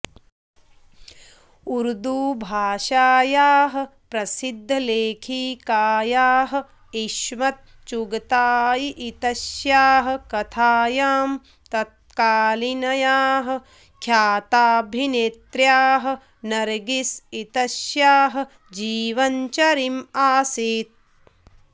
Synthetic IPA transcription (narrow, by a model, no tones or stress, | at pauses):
uɾd̪uːbʱaːʃaːjaːɦɐ̆pɾɐsid̪ʱːɐleːkʰiːkaːjaːɦɐ̆ | iʃmɐt̪̚ | t͡ʃuɡɐt̪aːjiʔit̪ɐʃjaːɦɐ̆kɐt̪ʰaːjaːm | t̪ɐt̪̚kaːlinɐjaːɦɐ̆ | kʰjaːt̪aːbʱinet̪ɾjaːɦɐ̆ | nɐɾɡisit̪ɐsjaːɦɐ̆ | d͡ʒiːʋɐɲt͡ʃɐɾimaːsiːt̪̚